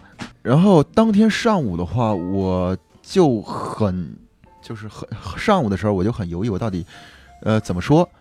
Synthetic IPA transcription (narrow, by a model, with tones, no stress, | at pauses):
ɻa˧˥nxo˥˩˧ʊt̪ɑ˥ŋt̪ʰjɛ˥nʂɑ˥˩ŋu˨˩d̪ə˦xwa˥˩wɔ˨˩ | t͡ɕjo˥˩ʊxə˨˩n | t͡ɕjo˥˧ʊʂɻ̩˥˩xə˨˩ʂɑ˥˩ŋu˨˩d̪əʂɻ̩˧˥˩wɔ˨˩jo˥˩xə˩njo˧˥ʊi˥˩wɔ˨˩t̪ɑ˥˩t̪i˨˩˦ə˧t͡sə˨˩nmə˦ʂwɔ˥